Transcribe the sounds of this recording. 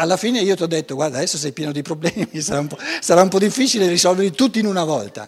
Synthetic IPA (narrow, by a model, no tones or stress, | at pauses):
alːafiːneiːot̪iɔd̪ːet̪ːoɡwaɾrd̪aːd̪ɛsːos̬ɛjpjɛːnod̪ipɾoblɛːmisaɾaumpɔsaɾaumpɔd̪ːifːit͡ʃilerisɔlveɾit̪ut̪ːinunavɔ̰lt̪a̰